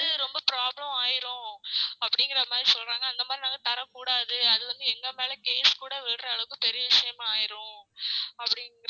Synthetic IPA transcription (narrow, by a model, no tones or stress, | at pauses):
ɯɾɔmbɐpɪɾaːblɐmaːjɪɾʊ̃ɐpːɐɽɪŋɡɪɾɐmaːd̪ɾisɔlraːŋɡɐːnd̪ɐmaːd̪ɾinaːŋɡɐt̪ɐɾɐkuːɽaːðɯɐðɯʋɐnd̪ɯɛŋɡɐmeːlɐkeːskuːɽɐʋeːɽɾɐɐɭɐkːɯ̃pɛɾɪjɐʋɪʂɐjɐmaːjɪɾʊ̃ | ɐpːɐɽɪŋɪɾ